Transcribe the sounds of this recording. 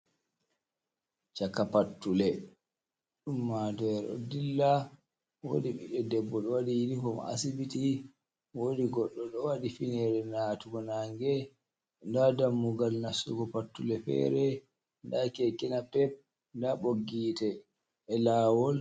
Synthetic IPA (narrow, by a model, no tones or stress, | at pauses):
t͡ʃakapatːulɛ | ɗumːadɔɛɾɔ̰dilːa | wo̰diɓḭɗɛdɛbːɔɗɔwadijinikɔma̰sibiti | wodiɡɔɗːɔɗɔwadifinɛɾɛnaːtuɡɔnaŋɡɛ | ndadamːuɡalnasuɡɔpatːulɛfɛ̰ɾɛ | ndakɛkɛnapɛp̚ | ndaɓoɡiːtɛː | laːwɔl